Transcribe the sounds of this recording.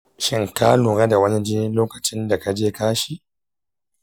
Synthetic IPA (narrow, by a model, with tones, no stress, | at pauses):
ʃɪ˦ŋkaː˦luː˨ɾa˦da˨wɐ˦ni˦d͡ʒɪ˦ɪ˦loː˦kɐ˨t͡ʃɪ˦nda˨ka˦d͡ʒeː˦kaː˦ʃi˦